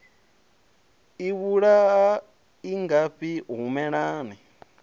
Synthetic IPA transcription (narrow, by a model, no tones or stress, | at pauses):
iβuɺaa | iŋɡaɸiɦumɛɺaːni